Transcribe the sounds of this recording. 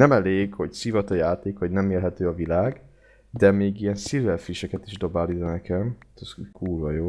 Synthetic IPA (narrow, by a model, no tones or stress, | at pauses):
nɛmɛleːɡho̞csivɒt̪ɒjaːt̪eːkhoɟnɛmeːlɦɛt̪øːɒvilaːɡ | d̪ɛmeːɡijɛnsilɛlfɾiʃɛkɛt̪iʒd̪o̞baːlizɔnɛkɛmt̪ɒskuːlvɒjoː